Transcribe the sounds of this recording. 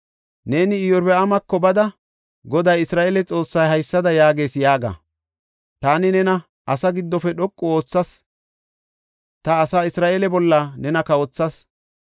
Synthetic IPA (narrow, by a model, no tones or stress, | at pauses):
ne̞ːnɪɪjɔɾbɛɐmɐkːɔbɐd̪ɐ | ɡɔd̪ɐjɪsɾaːʔeːlɛt͡sʼo̞ːsːɐjɦɐjsːɐd̪ɐjaːɡe̞ːsjaːɡɐ̰ | t̪aːnɪnɛnɐ | ʔɐsɐɡɪd̪ːɔfɛɗɔkʼːɔo̞ːt͡sːɐs | t̪ɐːsaːɪsɾaːʔeːlɛbɔlːɐnɛnɐkɐoːt͡sːɐs